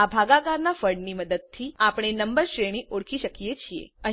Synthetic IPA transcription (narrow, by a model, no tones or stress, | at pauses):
abʱaɡaɡaɾnafəɾɖniməd̪əd̪̚t̪ʰiapɽ̃enəmbəɾʃɾeɽ̃iʔoɽkʰiʃəkijet͡ʃʰiḛə